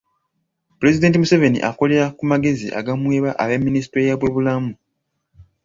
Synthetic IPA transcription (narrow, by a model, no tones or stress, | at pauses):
puɾe̞zide̞ːntimuse̞ve̞nḭʔako̞le̞ɾakumaɡe̞zḭʔa̰ɡamwe̞ːβaʔaβemːinisi̥tɾejaβwe̞βulamu